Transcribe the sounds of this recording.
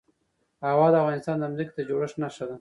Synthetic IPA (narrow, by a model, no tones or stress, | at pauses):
awɑd̪əafɣɑnɪst̪ɑnd̪əamzike̥t̪ad͡ʒoɽəʂnaʃad̪a